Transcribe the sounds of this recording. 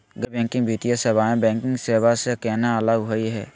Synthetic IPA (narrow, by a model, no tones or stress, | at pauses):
ɡəbɛ̃ːŋkɪ̃ŋɡbʱiːt̪ijaseːbaːẽbɛ̃ːŋkɪ̃ŋɡseːbasekɛːnaələɡɦoiɦɛ̰ː